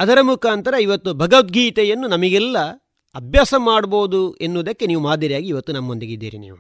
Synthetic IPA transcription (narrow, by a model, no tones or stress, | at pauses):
ɐd̪ɐɾɐmukʰaːnt̪ɐɾɐiʋɐt̪ːubʱɐɡɐʋɐt̪̚ɡiːt̪ɛjɐnːunɐmɐɡɛlːɐ | ɐbʱjaːsɐmaːɽboːd̪uenːuʋɐd̪ɐkːe̞niːʋumaːd̪ːɐɾijaːɡiːʋɐt̪ːunɐmːond̪eɡid̪ːiːɾinḭːʋu